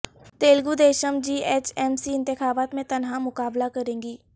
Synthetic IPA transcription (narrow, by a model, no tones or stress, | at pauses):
t̪eːlɡud̪eːʃəmd͡ʒiːeːt͡ʃɛːmsiɪ̃nt̪ɪxaːbaːt̪mẽt̪ɐnɦãmʊkaːblakɐɾẽːŋɡiː